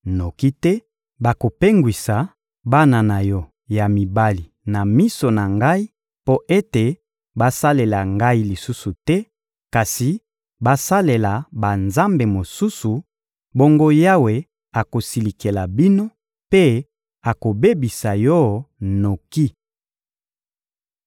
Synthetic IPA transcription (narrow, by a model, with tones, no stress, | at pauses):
no˨ki˦tɛ˦ | ba˨ko˨pe˦ŋɡwi˨sa˨ | ba˦na˨na˨jɔ˦ | ja˨mi˨ba˦li˨ | na˨mi˦so˨na˨ŋɡa˦i˦ | po˦ʔe˦te˨ | ba˦sa˦le˨la˨ŋɡa˦i˦li˨su˦su˨tɛ˦ | ka˨si˨ | ba˦sa˦le˨la˨ba˨nza˦mbe˨mo˨su˦su˨ | bo˦ŋɡo˦ja˦we˨ | a˨ko˨si˨li˨ke˨la˨bi˦no˦ | pe˦ | a˨ko˨be˦bi˨sa˨jɔ˦no˨ki˦